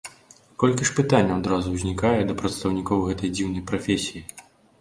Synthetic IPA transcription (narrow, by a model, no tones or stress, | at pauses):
kɔlʲkʲiʂpɨt̪anʲːɐad̪ɾazuwzʲnʲikajɛd̪ɐpɾɐt̪st̪ɐwnʲikɔwɣɛt̪ɐjd͡zʲiwnɐjpɾɐfʲesʲiji